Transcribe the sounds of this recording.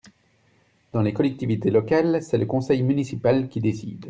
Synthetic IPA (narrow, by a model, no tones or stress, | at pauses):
d̪̥ɑ̃lekɔlɛk̚t̪ivit̪elɔkalsɛləkɔ̃sɛjmynisipalkʲid̪esḭd̪